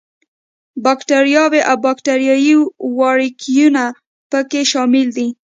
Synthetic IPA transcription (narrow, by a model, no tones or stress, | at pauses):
bɑkʈaɾjɑweʔawbɑkʈaɾjɑjiwɑɽikʰijuna | pəkeʃɑmɪld̪i